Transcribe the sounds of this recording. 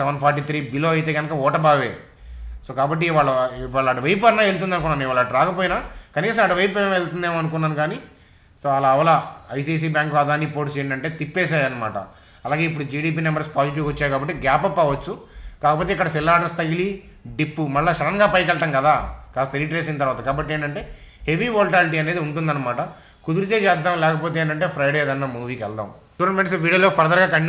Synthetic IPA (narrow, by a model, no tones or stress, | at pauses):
sɛʋɐnpʰaːɾʈ̬iːt̪ʰɾiːbiloːɐjt̪e̞ːɡɐnɐkɐɔːʈɐbaːʋeː | so̞ːkaːbɐʈːiʋaːɭːɐiʋaːɭːɐʈuʋɐjp̬ɐɾnaːelt̪̬und̪ɐnukunːaːniʋaːɭɐʈɾaːkɐpoːjinakɐniːsɐmɐʈuʋɐjp̬ɐelt̪und̪eːmɐnukunːaːnukaːni | soːaːlɐːʋɐlɐɐjsiːs̬iːbjaːŋkʋaːd̪aːnːipoːʈst͡ʃeːjiɳɖɐɳʈeːt̪ipːeːsaːjɐnːɐma̰ːʈɐ̰ | ɐlaːɡeːipːuɽud͡ʒiːɽiːp̬iːnɛmbɐɾspaːd͡ʒiʈ̬iʋɐt͡ʃːaːjkaːbɐʈːeːɡaːpɐpːɐʋɐt͡ʃːukaːkɐpoːt̪eːkːɐɽɐsilːaːɖɐɾst̪ɐjili | ɖipːumɐɭːaʃɐɾɐŋɡaːpɐjkɛɭɐʈɐmkɐd̪aːkaːst̪ɐɾiʈɾeːs̬int̪ɐɾʋaːt̪ɐkaːbɐʈːieːɳʈɐɳʈe̞ː | heʋiʋoːlʈaːliʈ̬iːɐneːd̪iuɳʈund̪ɐnːɐmaːʈɐ | kud̪uɾut͡ʃeːt͡ʃɛːd̪ːaːmlɛːkɐpoːt̪eeːɳʈɐɳʈeːpʰɾɐjɽed̪ɐnːaːmuːʋiːkɛ̰ld̪a̰ːm | ʈunɐlmeʈsʋiːɽijoloːpʰɐɾɐd̪ɐɾɡaːkɐɳ